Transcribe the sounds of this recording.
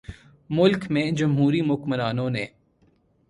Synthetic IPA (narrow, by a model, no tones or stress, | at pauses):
mʊlkmẽd͡ʒɐmɦuːɾimʊkmənaːnõneː